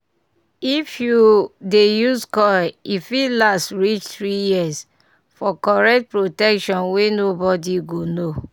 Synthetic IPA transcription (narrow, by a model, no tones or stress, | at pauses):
ifjudejuskɔifilastɹit͡ʃt̪ɹijis | fɔkɔɹɛk̚t̚pɹotɛkʃɔ̃nwenobɔdiɡono